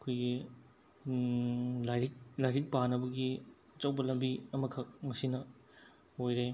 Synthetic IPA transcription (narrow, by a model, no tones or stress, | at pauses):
ɐkʰojɡi | lajɾik̚lajɾik̚panɐbɐɡi | ɐt͡ʃɐwbɐlɐmbiɐmɐkʰɐk̚mɐsinɐ | ojɾe